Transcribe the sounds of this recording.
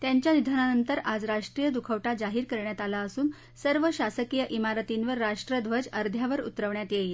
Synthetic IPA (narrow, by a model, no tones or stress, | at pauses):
t̪jaɲt͡ɕjanid̪ʱananənt̪əɾad͡zɾaʂʈɾijəd̪ukʰəʋʈad͡zaɦiːɾkəɾɳjat̪alaəsuːn | səɾʋəɕasəkijəʔimaɾət̪inʋəɾːaʂʈɾəd̪ʱʋəd͡zəɾd̪ʱjaʋəɾṵt̪ɾəʋɳjat̪jeje